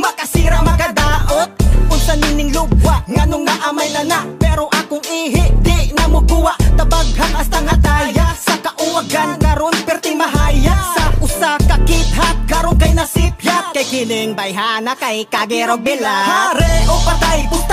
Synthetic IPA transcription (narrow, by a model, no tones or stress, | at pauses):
mɐkɐsiːɾamɐkɐd̪aːʔot̪kʊnsɐninɪŋlʊbwaʔŋɐnoŋnɐʔamajnɐnaʔpɛɾoʔakoŋʔiːɦɪʔd̪ɪʔnɐmʊɡuwaʔt̪ɐbaɡ̚haŋʔɐst̪aŋhɐt̪ajasɐkɐʔʊwaɡankɐɾonpɛɾt̪ɪmɐɦajasɐʔʊsakɐkit̪̚ɦakɐɾonkɐjnɐsipjat̪̚kɐjkɪnɪŋbɐjɦaːnɐkɐjkaɡɛɾoɡ̚nɪlahaɾɛʔopɐt̪ajpʊ